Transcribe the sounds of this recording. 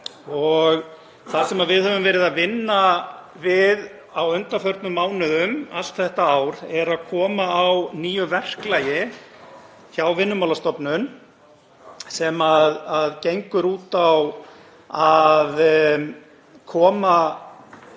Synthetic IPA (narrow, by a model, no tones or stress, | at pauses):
ɔɣ | θaðsɛmaðvɪðhɛvʏmvɛːɾɪðavɪnːa | vɪð | awœnt̪afœɾt̪nʏmaːwnʏʏmal̥t̪θɛht̪aaːwɾɛɾaðkʰɔːmaːwniːjʏvɛr̥klaːjɪ | çawvɪnːʏmawlast̪ɔpnʏn | sɛmaðaðcejŋkʏɾuːt̪aw | að | kʰɔːma